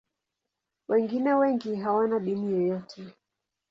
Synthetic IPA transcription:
wʔɛŋɡinɛwɛŋɡiɦawanaɗinijɔjɔtʰɛ

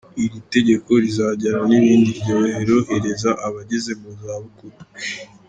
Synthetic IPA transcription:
iɾite̞ɟe̞ko̞ɾizaɟaɾaniβiːndiβɟoheɾohe̞ɾe̞zaʔaβaɟeze̞muzaːβukutu̥

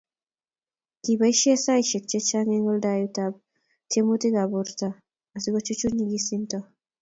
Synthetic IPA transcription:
kibaiʃesaiʃek̚t͡ʃet͡ʃaŋeŋɡɔldajutab̚ | tʰemutiɡaboɾta | asiɡɔt͡ʃut͡ʃuniɡisintɔ

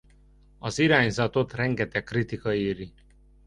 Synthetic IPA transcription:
ɒziɾaːɲzɒt̪o̞t̪rɛŋɡɛt̪ɛkːrit̪ikɒiːɾi

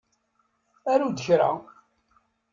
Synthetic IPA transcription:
æɾud̪əçɾa̰

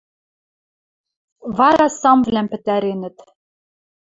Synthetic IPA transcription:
vɑɾɑsɑmvlæmpɘ̆t̪æɾenɘ̆t̪

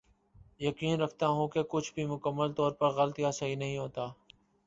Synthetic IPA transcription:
jəkiːnɾəɐkʰt̪aɦũːkekʊt͡ʃʰbʱimʊkəmːəlt̪ɔːɾpɐɾɣəlt̪ijasɐɦinɐɦĩɦoːt̪aː

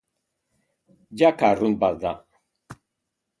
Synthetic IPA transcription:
d͡ʒakarunbazd̪a̰

